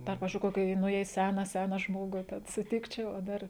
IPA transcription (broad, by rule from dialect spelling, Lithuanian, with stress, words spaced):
dɐr ˈpɑːʋʲɪzʲd͡ʒʲʊɪ ˈkoːkʲɪ ˈnʊ jɛɪ ˈsʲæːnɐ ˈsʲæːnɐ ˈʒmoːɡʊ tʲɛn sʊˈtʲɪkt͡ʃʲɛʊ oː ˈdɐr